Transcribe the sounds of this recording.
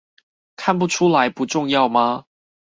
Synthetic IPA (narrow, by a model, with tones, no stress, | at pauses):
kʰa˥˨npu˥˩ʈ͡ʂʰu˥la˨˦ɪpu˨˦ʈ͡ʂʊ˥˧ŋjɑ˥˩ʊma˨